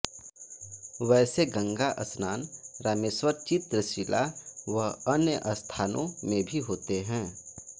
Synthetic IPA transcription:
ʋɛːseɡə̃ŋɡaʔɐsnaːnɾaːmeswəɾt͡ʃɪt̪ɾəʃilaʋəənjəʔəst̪ʰaːnõ̰mẽbʱiɦoːt̪eɦɛ̃ː

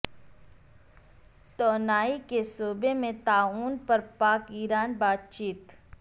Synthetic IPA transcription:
t̪oːnaːikesoːbemẽt̪aːuːnpɐɾpaːkiːɾaːnbaːt̪t͡ʃiːt̪

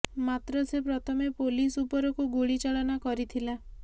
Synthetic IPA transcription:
mat̪ɾɔsepɾɔt̪ʰɔmepolisupɔɾɔkuɡuɭit͡ʃaɭɔnakɔɾit̪ʰila

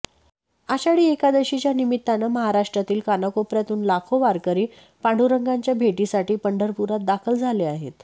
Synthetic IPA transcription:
aɕaɽiːekad̪əɕit͡ɕjanimit̪ːanəməɦaɾaʂʈɾat̪iːlkanəkopɾjat̪uːnlakʰoʋaɾkəɾiː | paɳɖʱuɾəŋɡaɲt͡ɕjabʱeʈisaʈiːpəɳɖʱəɾpuɾat̪̚d̪akʰəld͡zʱaleaɦḛt̪

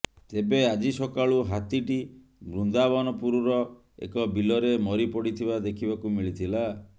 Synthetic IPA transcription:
t̪ebead͡ʒisɔkaɭuɦat̪iʈi | bɾund̪abɔnɔpuɾɔɾɔ | ḛkɔbilɔɾemɔɾipɔɽit̪ʰibad̪ekʰibakumiɭit̪ʰila

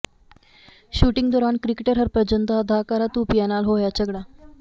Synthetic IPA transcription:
ɕuʈiŋɡd̪oɾaɳkɾikeʈəɾɦəɾpɾəd͡ʑənt̪əːd̪ʱakaɾat̪upijanalɦojat͡ɕəɡɽa

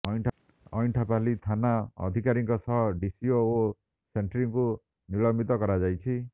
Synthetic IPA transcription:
ɔjʈʰ | ɔjnʈʰapalit̪ʰanaɔ̰d̪ʱikaɾiŋkɔsɔɦɖisioː | seɳʈɾiŋku | nilɔmbit̪ɔkɔɾad͡ʒajt͡ʃʰi

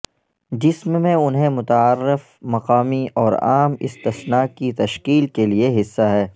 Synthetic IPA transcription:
d͡ʒɪsmːẽʊnɦẽmʊt̪aaɾːɪf | mɐqaːmiʔɔːɾa̰ːmɪ̰st̪ɪsnaːkit̪ɐʃkiːlkelieɦɪsːaɦɛː

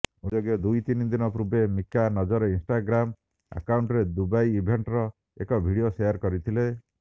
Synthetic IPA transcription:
od͡ʒɔɡjɔd̪ujt̪inid̪inɔpɾubemikanɔd͡ʒɔɾɔinsʈaɡɾam | a̰kawɳʈɔɾed̪ubajibʱeɳʈɾɔ | ekɔbʱiɽiosejaɾkɔɾit̪ʰile

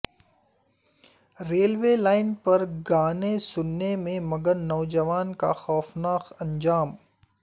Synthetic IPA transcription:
ɾeːlʋeːlaːɪnpɐɾɡaːnesʊnːemẽmɐɡəɾnɔːd͡ʒɐʋaːnka̰xɔːfnaːxɐ̃ɲd͡ʒaːm

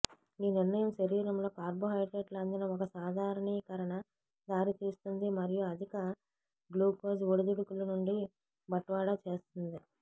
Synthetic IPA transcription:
iːniɾnɐjɐmʃɐɾiːɾɐmlo̞ːkaːɾboɦɐjʈeʈlɐnd̪ɐnɐɔkɐsaːd̪ʱaːɾɐɳiːkɐɾɐɳɐ | d̪aːɾit̪iːst̪und̪imɐɾijuɐd̪ʱikɐ | ɡluːkoːd͡ʒoɽud̪uɽikulɐnuɳɖi | bɐʈːʋaːɽɐt͡ʃeːst̪und̪i

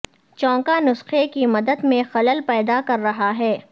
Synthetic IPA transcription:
t͡ʃɔ̃ːŋkanʊsxekimɐd̪əd̪mẽxɐləlpɛːd̪akɐɾːɐɦaɦɛː

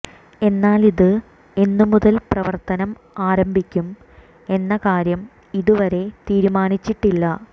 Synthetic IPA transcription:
e̞nːaːliðɨ | e̞nːumuðɐlprɐʋɐrt̪ɐnɐm | aːɾɐmbʱikʲːum | e̞nːɐkaːɾjɐm | iðuʋɐɾe̞t̪iːɾumaːnit͡ɕːiʈːilːɐ

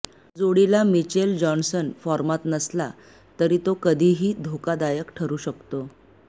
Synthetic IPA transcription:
d͡zoɽilamit͡ɕeld͡ʑɔnsənfɔɾmat̪nəsla̰ | t̪əɾiːt̪okəd̪ʱiːɦiːd̪ʱokad̪ajəkʈʰəɾuːɕəkt̪o

